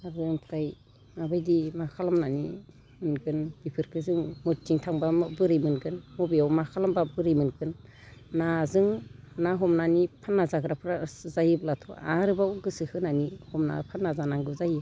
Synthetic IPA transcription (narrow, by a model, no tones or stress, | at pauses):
aɾzɯŋpʰɾaj | mabajdimakʰalamnani | mɯnɡɯnb̥ipʰɯɾkʰɯzɯŋmutiŋtʰaŋbabɯɾɯjmɯnɡɯnmɔbiawmakʰalambabɯɾijmɯnɡɯnː | azɯŋnaɦɔmnanipʰanːazaɡɾapʰɾazajiblatʰɔa̰ɾɯbawɡɯsɯhɯnanihɔmna̰pʰanːazanaŋɡɯzaji